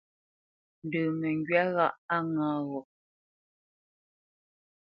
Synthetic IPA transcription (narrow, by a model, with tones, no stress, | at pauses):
n̩˨dəː˨mɛ˨ŋɡɥa˦ɣa˦ʔa˦ŋãː˨˦ɣɔ˨